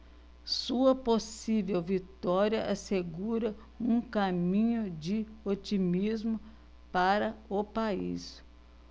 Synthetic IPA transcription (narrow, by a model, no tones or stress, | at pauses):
suɐposivewvit̪ɔɾiɐʔaseɡuɾɐ | ũkamĩɲʊd͡ʒɪot͡ʃimizmʊ | paɾɐʊpaḭs